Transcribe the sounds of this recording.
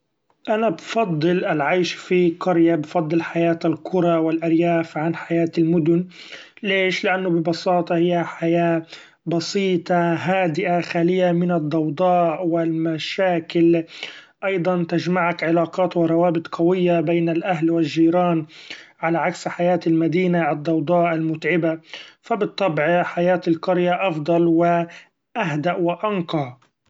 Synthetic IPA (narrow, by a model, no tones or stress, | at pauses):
ʔanabfɑd̪ˤːɨlʔɪlʕajʃfiqʊɾjabfɑd̪ˤːɨlħajaːt̪alkʰʊɾˤɑwɪlʔaɾjaːfʕanħajaːt̪ɪlmʊd̪ʊn | leːʃlɪʔanːʊbɪbɑsɑːt̪ˤɑhɪjːaħajaː | bɑsiːt̪ˤɑɦaːd̪ɪʔaxaːlɪjːamɪnɑd̪ˤːɑwd̪ˤɑːʔwɪlmaʃaːkɪl | ʔɑjd̪ˤɑnt̪aʒmaʕakʕɪlaːqɑːt̪wɪɾˤɑwaːbɪt̪ˤqɑwɪjːabeːnalʔaɦlwɪlːiːɾɑːnʕalaʕaksħajaːt̪almad̪iːnaʔɑd̪ˤːɑwd̪ˤɑːʔʔalmʊt̪ʕɪbafabɨt̪ˤːɑbʕħajaːt̪ɪlqʊɾjaʔɑfd̪ˤɑlwɪ | ʔaɦd̪aʔwɪʔɑnqɑ